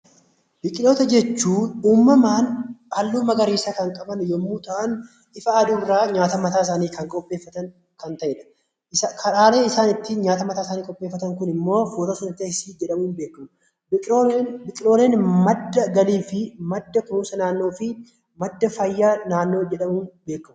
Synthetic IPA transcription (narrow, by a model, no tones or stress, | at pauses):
b̥ɪkʼɪlo̞ːt̪ɐd͡ʒɛt͡ʃːuːuːmːɐmaːnʔɐlːuːmɐɡɐɾiːsakɐŋkʼɐbɐnjɔmːuːt̪ɐʔɐn | ɪfɐːd̪uːbɪɾaːɲaːt̪ɐmɐt̪aːs̬aːniːkɐŋkʼɔpʼːe̞ːfːɐt̪ɐn | kɐnt̪ɐʔɛᶑɐ̥ | ʔɪsakʰɐɾaːle̞ːɪsaːnɪt̪ːɪɲaːt̪ɐmɐt̪aːsaːniːkʼɔpʼːe̞ːfːɐt̪ɐŋkʊnɪmːo̞ːfuːt̪ɐsɐnɐt̪ːɪsiːd͡ʒɛᶑɐmuːnbe̞ːkːɐmʊ | ɪbɪkʼɪlo̞ːleːnmɐd̪ːɐɡɐliːfɪmɐd̪ːɐkɾuːsɐnaːnːoːfɪ | mɐd̪ːɐfɐjːaːnaːnːo̞ːd͡ʒɛᶑɐmuːnbe̞ːkːɐmʊ